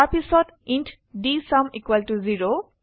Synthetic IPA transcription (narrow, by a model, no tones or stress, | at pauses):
episod | inʈʰ | ɖisɐmikwɐlʈuziɾo